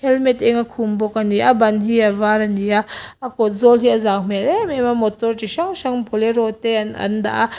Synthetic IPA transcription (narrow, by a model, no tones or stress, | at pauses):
hɛlmɛt̪ɛŋakʰumbɔkaniʔabɐnɦiavaɾaniaakɔt̪̚zɔlɦiʔazawm̥ɛlɛmɛmamɔt̪ɔrt͡ʃiʃaŋʃaŋpʰɔlɛɾɔt̪ɛanʔɐ̰nd̪a̰ʔa